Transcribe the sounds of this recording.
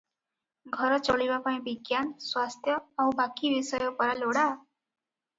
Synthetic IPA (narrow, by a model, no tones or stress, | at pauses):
ɡʱʌɾɔt͡sɔɭibapaĩbiɡjanswast̪ʰjʌawbakiʋisʌjɔpɔɾaloɽa